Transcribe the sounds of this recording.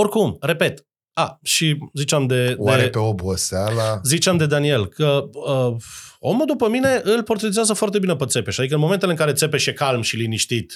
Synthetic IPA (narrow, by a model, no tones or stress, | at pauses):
orkumre̞pe̞t̪ | aʃizit͡ʃeamd̪e̞wd̪aeɾepeobəsalazit͡ʃeamd̪e̞d̪anie̞lkʰəəo̞mud̪upəmine̞ʔɨlpo̞rt̪ɾet̪zɪazəfoart̪̬e̞binepet̪se̞pe̞ʃad̪ik̬əɨnmoment̪eleɨŋkaɾe̞t̪se̞peʃjekalmʃiliniʃt̪it̪